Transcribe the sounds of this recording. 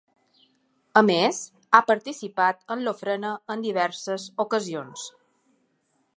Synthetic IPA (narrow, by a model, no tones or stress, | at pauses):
əmes | apəɾt̪isipat̪ənlofɾənəːnd̪iβ̞ɛɾsəzukəzions